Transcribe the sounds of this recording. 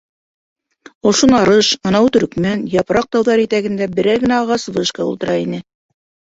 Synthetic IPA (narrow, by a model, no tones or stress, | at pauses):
ŏʃonɑɾɤʃɑnɑwt̪ɵ̆ɾkmænjɑpɾɑq̚t̪ɑwðɑɾjɘt̪æɡɘ̆nd̪æbɘ̆ɾæjɡɘ̆næɑʁɑsbɤ̆ʃkɑṵlˠt̪ɤ̆ɾɑinɘ